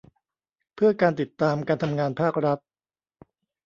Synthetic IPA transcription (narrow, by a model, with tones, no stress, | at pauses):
pʰɯ˥˩ɐkaː˧nt̪i˨˩t̪ːaː˧mkaː˧nt̪ʰa˧mŋaː˧npʰaː˥˩k̚ɾa˦˥t̪̚